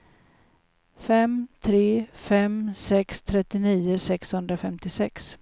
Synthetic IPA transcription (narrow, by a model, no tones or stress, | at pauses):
fɛmt̪ʰɾeːfɛmsɛkst̪ʰɾɛt̪ːɪniːʊsɛkshɵnd̪ɾafɛmt̪ɪsɛks